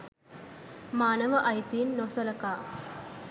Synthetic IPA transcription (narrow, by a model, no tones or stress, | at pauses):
maːnɐʋɐʔɐjt̪inːoːsɐlɐkaː